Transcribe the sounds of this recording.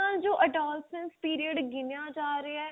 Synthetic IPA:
aːld͡ʒoːʔəɖaːlsə̃nspiːɾiəɖɡɪnjaːd͡ʒaːɾəe

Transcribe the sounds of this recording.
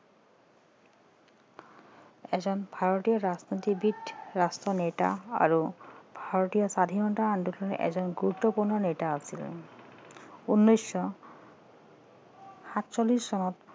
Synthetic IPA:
ɛd͡ʑɔnbʱaɾoʈijɔɾad͡ʑnot̪ibiʈɾastɔneʈa̰a̰ɾubʱaɾot̪ijɔsad̪ʱinɔɳʈaand̪ukɔnʔɛ̰d͡ʑɔnɡɾut̪ːopuɾnɔneʈaasʰil | unːojsːɔ | hat̪t͡ɕolːisːɔnɔt̪

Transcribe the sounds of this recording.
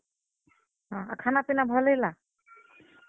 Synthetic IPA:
ɦãa̰kʰanapinabʱɔlejla

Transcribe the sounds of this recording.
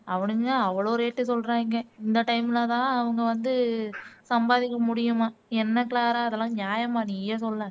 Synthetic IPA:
ɐʋɐɳɯŋaɐʋːɐɭoːɾeːʈːɯsɔlɾãːɪŋɡɐɪnd̪ɐʈɐɪmɪlat̪ãːɐʋɐŋɡɐʋɐnd̪ɯsɐmbaːðɪkːɐmʊɽɪjɯmaːɛnːɐkɪlaːɾaːɐðɐlːãːnjaːjɐmaːniːjɐsɔlːɐ̃

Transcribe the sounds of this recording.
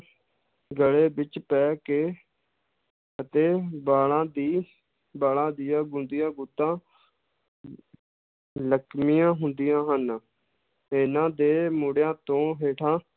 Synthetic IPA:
ɡəɭeːbɪt͡ʃpɛːkeː | ət̪eːbaːlãːd̪iː | baːlãːd̪ijãːɡʊnd̪ijãːɡut̪ːãː | ləkʰmijãːɦʊnd̪ijãːɦən | ɪnãːd̪eːmuɽjãːt̪õːɦeːʈʰãː

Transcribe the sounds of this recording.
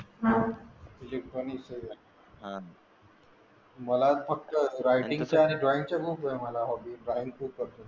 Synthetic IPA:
ɦaelikpənisə | məlafək̚t̪əɾajʈĩŋt͡ɕaːniɖɾaĩŋɡt͡ɕakuːpoeməlaɦɔbiɖɾaiŋɡkʰuːb̚kəɾt̪o

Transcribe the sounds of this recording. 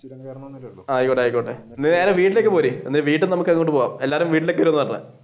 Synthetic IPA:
aːjikːoɳɖeaːjikːoːɳʈːe | nineːɾɐmʋiːʈːile̞kːɨpoːɾienːileʋiːʈːɨmnɐmukːɐŋːekoʈːɨpoːɣa̰ːme̞lːaːɾumʋiːʈ̬ːilo̞kːeʋɐɾuonɨɐɐna̰

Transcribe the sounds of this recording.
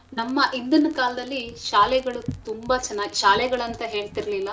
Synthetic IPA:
nɐmːɐʔind̪ɐnɐkaːlɐd̪ɐlːiʃaːlɛɡɐɭut̪umbɐt͡ʃɛnːaːɡiʃaːlɛɡɐɭɐnt̪ɐɦe̞ːɭt̪iɾɐlilːɐ

